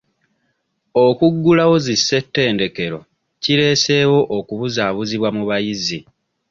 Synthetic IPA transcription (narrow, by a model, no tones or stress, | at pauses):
okuɡːulawo̞zisːe̞tːe̞ːnde̞ke̞ɾo̞̰ | ciɾe̞ːse̞ːwo̞ʔokuβuzaːβuziβwamuβajizi